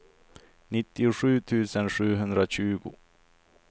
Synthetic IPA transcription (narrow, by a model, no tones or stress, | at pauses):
nɪt̪ːɪʊɧʉ̟ːt̪ʰʉ̟ːsənɧʉ̟ːɦɵnd̪ɾaɕʉ̟ːɡʊ̰